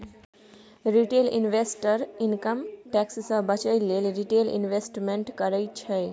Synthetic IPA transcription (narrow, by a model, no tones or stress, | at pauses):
ɾiʈelḭnʋesʈəɾinkəmʈɛkssə̃bət͡ʃəjlelɾiʈelḭnʋesʈmeɳʈkəɾəjt͡ʃʰe